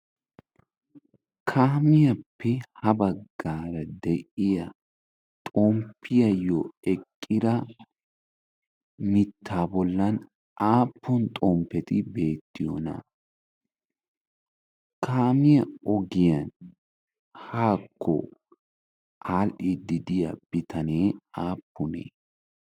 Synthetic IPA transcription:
kʰaːmɪjɐpʰːɛhɐbɐɡːaːɾɐd̪ɛʔɪjɐ | t̪ʼompʰːɪjɐjoɛkʼːɪd̪ɐ | mɪt̪ʰːaːbɔlːɐn | ʔaːpʰːɔnt̪ʼɔmpːɛt̪ɪbe̞ːt̪ːɪjo̰nɐ̰ | kʰaːmɪjɐɔɡɪjɐn | haːkʰːɔ̰ | ʔaːlʔɪd̪ɪd̪ɪjɐ̰b̥ɪt̪ɐneːaːpːʊnḛː

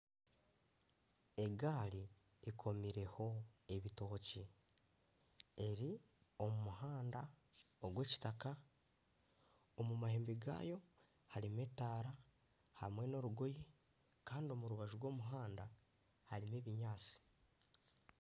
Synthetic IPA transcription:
eɡaːliː | kʰo̞miɾe̞ho̞e̞βito̞ːci | e̞ɾi | o̞mumuɦaːndaoɡwe̞ːci̥taka | omumaheːmbiɡa̰ːjo̞ | haɾime̞taːɾa | hamwe̞no̞ɾuɡoji | kaːndio̞muɾuβaʒuɾwo̞ːmuɦaːnda | haɾime̞ːβiɲaːt͡si̥

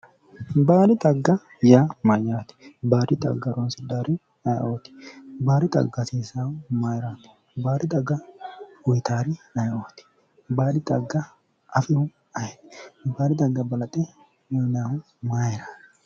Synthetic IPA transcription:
baːlɪt̪ʼɐɡːɐ | jamɐjaːt̪ɪ̥baːɾɪt̪ʼɐ̰ɡːɐɾɔnsɪd̪aːɾɪ | ɐjʔoːt̪ɪ̥baːɾɪt̪ʼɐ̰ɡːɐseːsawʊmajɾaːt̪ɪ̥ | baːd̪ɪt̪ʼɐɡːɐʊjt̪aːɾɪɐjʔoːt̪ɪ̥ | baːdɪt̪ʼɐɡːɐ | ʔɐfɪʊ | ɐjt̪baːɾɪt̪ɐɡːɐbɐlɐt̪ʼɛ | mɔjnaːʊ | majɾaː

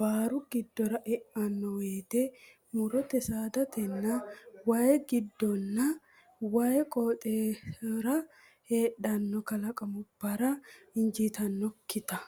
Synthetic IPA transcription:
b̥aːɾʊɡɪd̪ːɔɾɐʔɛʔɐnːɔweːt̪ɛ | mʊɾɔt̪ɛsaːd̪ɐt̪ɛnːɐwaːjɛɡɪd̪ːɔnːɐ | waːjɛkʼoːt̪ʼeɾɐ | heːɗɐnːɔkɐlɐkʼɐmʊb̥ːɐɾɐɪnd͡ʒiːt̪ɐnːɔkːɪt̪ɐ

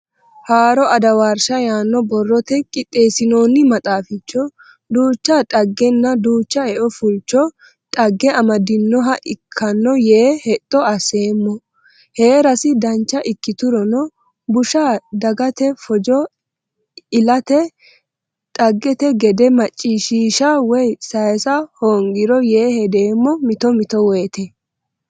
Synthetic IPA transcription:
haːɾɔʔɐd̪ɐwaːɾʃɐjaːnːɔbɔrːɔt̪ɛkʼɪt̪ʼːe̞ːsɪno̞ːnːɪmɐt̪ʼaːfɪt͡ʃːɔ | d̪uːt͡ʃːatʼɐɡːɛnːɐd̪uːt͡ʃːɐɛʔɔfʊlt͡ʃːɔ | tʼɐɡːɛɐmɐd̪ɪnːɔɦɐʔɪkʰːɐnːɔjeːhɛt̪ʼːɔɐse̞ːmːɔ | heːɾɐsɪd̪ɐnt͡ʃːɐʔɪkːɪt̪ʊɾɔnɔ | bʊʃaːd̪ɐɡɐt̪ɛfɔd͡ʒɔ | ɪlɐt̪ɛ | tʼɐɡːɛt̪ɛɡɛd̪ɛmɐt͡ʃʼːiːʃiːʃawɔjsɐjsɐhoːŋɡɪɾɔjeːhɛd̪e̞ːmːɔmɪt̪ɔmɪt̪ɔwɛːt̪ɛ

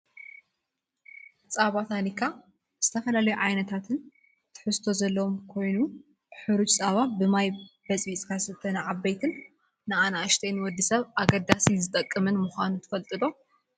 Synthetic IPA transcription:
t͡sʼaβat̪ʰanikʰːa | z̥ɨt̪ʰɐfɐlalɐjuʕajnɐt̪ʰat̪ʰɨn | t̪ʰɨ̥ħɨst̪ʰo̞zɐlːɐwomkʰo̞jnu | ħɨɾut͡ʃʼt͡sʼaβabɨmajbɐt͡sʼit͡sʼkʰasɨt̪ʰːɐnaʕabːɐjt̪ʰɨn | nɨanaʔɨʃt̪ʰejnwɔd̪ːisɐβʔaɡɐd̪asizɨt̪ʼɐkʼːɨmɨnmuxʷanut̪ʰɨ̥fɐlt̪ʼɨlo̞

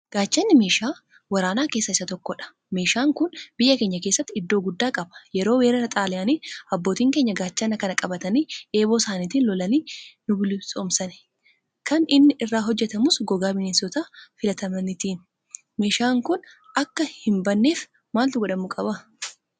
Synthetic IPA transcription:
ɡ̥aːt͡ʃːɐnːɪme̞ːʃaː | wɐɾaːnaːke̞ːsːɐɪsːɐt̪ɔkːɔᶑɐ̥ | me̞ːʃaːŋkʊnb̥ɪjːɐke̞ːɲːɐkeːsːɐt̪ːɪd̪ːo̞ːɡʊd̪ːaːkʼɐbɐ̥jɛɾo̞ːweːɾɐɾɐt̪ʼaːlɪjaːniːɐbːoːt̪iːŋke̞ːɲːɐɡaːt͡ʃːɐnɐkɐnɐkʼɐbɐt̪ɐniːʔe̞ːbo̞ːsaːniːt̪iːnlɔlɐniːnʊbɪlɪsʼoːmsɐn | kɐnɪnːɪʔɪrːaːɦɔd͡ʒːɛt̪ɐmʊsɡɔɡaːmɪnisɔt̪aːfɪlɐt̪ɐmɐnɪt̪iːn | me̞ːʃaːŋkʊn | ɐkːɐhɪmbɐnːe̞ːf | maːlt̪ʊɡɔᶑɐmʊkʼɐbɐ

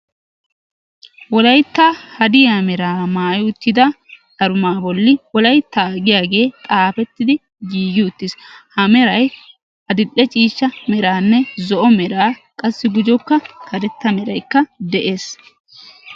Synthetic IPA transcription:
wɔlɐjt̪ːahɐd̪ɪjamɛɾaːmaːjɪʊt̪ːɪd̪ɐd̪ɐɾʊmaːbɔlːɪwɔlɐjt̪ːaːɡɪjaːɡe̞ːt̪ʼaːfɛt̪ːɪd̪ɪ | ɡiːɡɪʊt̪ːɪshɐmɛɾɐj | hɐd̪ɪlːɛt͡ʃʼiːʃːɐmɛɾaːnːɛzɔʔɔmɛɾaːkʼɐsːɪɡʊd͡ʒɔkːɐkʰɐdɛt̪ːɐmɛɾɐjkːɐd̪ɛʔe̞ːs

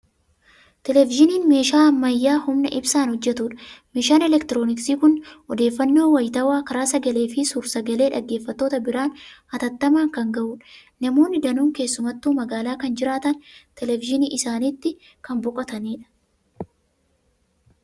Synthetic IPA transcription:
t̪ɛlɛvɪʒɪniːnme̞ːʃaːɐmːɐjːaːhʊmnɐʔɪbsaːnhɔd͡ʒːɛt̪uːᶑɐ̥meːʃaːnɛlɛkt̪ɪɾo̞ːnɪksiːkʊnɔd̪e̞ːfːɐnːo̞ːwɐjt̪ɐwaːkɐɾaːsɐɡɐle̞ːfɪsʊɾsɐɡɐle̞ːᶑɐɡːe̞ːfːɐt̪ːo̞ːt̪ɐbɪɾaːnɐt̪ɐt̪ːɐmaːŋkɐŋɡɐʔuːᶑɐ̥ | nɐmo̞ːnːɪd̪ɐnuːŋke̞ːsːʊmɐt̪ːuːmɐɡaːlaːkɐnd͡ʒɪɾaːt̪ɐnt̪ɛlɛvɪʃɪniːʔɪsaːniːt̪ːɪ | kɐmbɔkʼɐt̪ɐniːᶑɐ̥

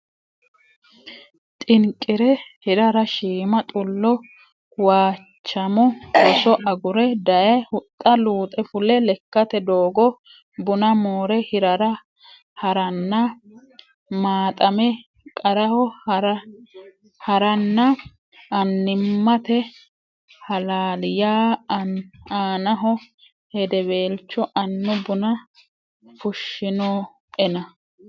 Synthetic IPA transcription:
t̪ʼɪŋkʼːɪɾɛhɪɾɐɾɐʃiːmɐt̪ʼʊlːɔ | waː | t͡ʃːɐmɔɔsɔʔɐɡʊɾɛd̪ɐjɐjhʊt̪ʼːɐluːt̪ʼɛfʊlɛlɛkːɐt̪ɛd̪oːɡɔ | bʊnɐmoːɾɛhɪɾɐɾɐ | hɐɾɐnːɐ | maːt̪ʼɐmɛ | kʼɐɾɐhɔɾ | hɐɾɐnːɐ | ɐnːɪmːɐt̪ɛ | hɐlaːlɪjaː | aːnɐɦɔ | hɛd̪ɛbe̞ːlt͡ʃːɔʔɐnːʊbʊnɐ | fʊʃːɪnoː | ɛnɐ

